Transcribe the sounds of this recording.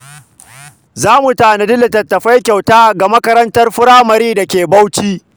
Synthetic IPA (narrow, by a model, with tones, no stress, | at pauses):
zaː˦mu˨taː˨na˨dɪ˦la˨tɐ˨tːɐ˨ɸa˦jkʲa˨wtaː˦ɡa˨mɐ˦kɐ˦ɾɐ˦ntɐ˦rɸʊ˦ɾaː˦mɐ˨ɾiː˦dɐ˨kʲeː˨ba˦wt͡ʃiː˦